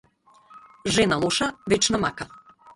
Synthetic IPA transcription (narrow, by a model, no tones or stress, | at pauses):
ʒɛnalˠɔʃavɛt͡ʃnamaka